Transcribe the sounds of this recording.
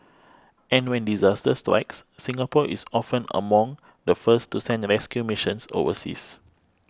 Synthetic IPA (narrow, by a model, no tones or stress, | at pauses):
ʔɛ̃nwɛ̃ndizastəstɹa̰ɪksːĩŋapɔʔisɔfə̃nə̰mɔ̃ŋ | dəfəstusɛ̃ndɹɛskjumiʃə̃nso̰və̰sḭs